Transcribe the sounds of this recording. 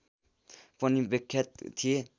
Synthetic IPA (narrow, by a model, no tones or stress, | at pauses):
pɔnibekʰːɛt̪̚t̪ʰie